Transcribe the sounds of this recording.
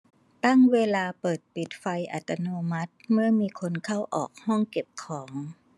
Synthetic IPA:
t̪a˥˩ŋweː˧laː˧pɤː˨˩t̪̚pi˨˩t̪̚fa˧jʔa̰˨˩t̪ːa˧noː˧ma˦˥t̪̚mɯ˥˩ɐmiː˧kʰo˧nkʰa˥˩wʔɔ̰ː˨˩k̚hɔ˥˩ŋke˨˩p̚kʰɔː˩˦ŋ

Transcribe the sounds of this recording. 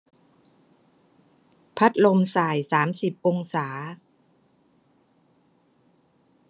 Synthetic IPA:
pʰa˦˥t̪̚lo˧msaː˨˩jsaː˩˦msi˨˩p̚ʔo˧ŋsaː˩˦

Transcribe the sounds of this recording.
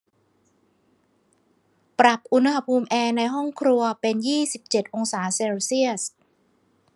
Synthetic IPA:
pɾa˨˩p̚ʔu˧nhaha˧pʰuː˧mʔɛː˧na˧jɦɔ˥˩ŋkʰɾu˧ɐpe˧njiː˥˩si˨˩p̚t͡ɕe˨˩t̪̚ʔo˧ŋsaː˩˦sɛː˧wsi˥˩əs

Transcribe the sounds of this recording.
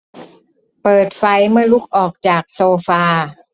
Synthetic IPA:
pɤː˨˩t̪̚fa˧˥jmɯ˥˩ɐlu˦˥˩k̚ʔɔː˨˩k̚t͡ɕaː˨˩k̚soː˧faː˧

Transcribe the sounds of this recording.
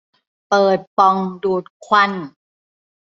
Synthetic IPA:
pɤː˨˩t̪̚pɔ˧ŋduː˨˩t̪̚kʰwa˧˥˩n

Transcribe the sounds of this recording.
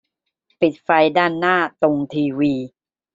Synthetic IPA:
pi˨˩t̪̚fa˧jdaː˥˩nːaː˥˩t̪o˧ŋt̪ʰiː˧wiː˧

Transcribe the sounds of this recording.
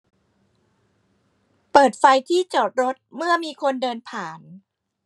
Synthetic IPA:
pɤː˨˩t̪̚fa˧jt̪ʰiː˥˩t͡ɕoː˨˩t̪̚ɾo˦˥t̪̚mɯ˥˩ɐmiː˧kʰo˧ndɤː˧npʰaː˨˩n

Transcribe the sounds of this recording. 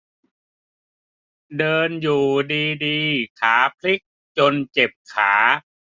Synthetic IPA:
dɤː˧njuː˨˩diː˧diː˧kʰaː˩˦pʰli˦˥k̚ | t͡ɕo˧nt͡ɕe˨˩p̚kʰaː˩˦

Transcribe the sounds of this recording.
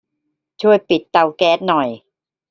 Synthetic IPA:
t͡ɕʰu˥˩əjpi˨˩t̪ːa˧wkɛː˦˥t̪̚nɔ˨˩j

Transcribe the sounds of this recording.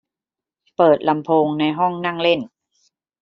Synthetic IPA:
pɤː˨˩t̪̚la˧mpʰoː˧ŋna˧jɦɔ˥˩ŋna˥˩ŋle˥˩n

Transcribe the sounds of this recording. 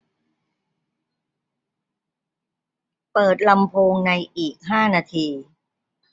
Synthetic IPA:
pɤː˨˩t̪̚la˧mpʰoː˧ŋna˧jʔiː˨˩k̚ɦaː˥˩naː˧t̪ʰiː˧

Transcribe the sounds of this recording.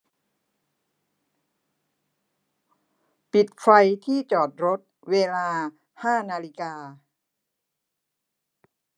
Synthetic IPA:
pi˨˩t̪̚kʰɾa˧jt̪ʰiː˥˩t͡ɕɔː˨˩t̪̚ɾo˦˥t̪̚weː˧laː˧ | haː˥˩naː˧li˦˥kaː˧

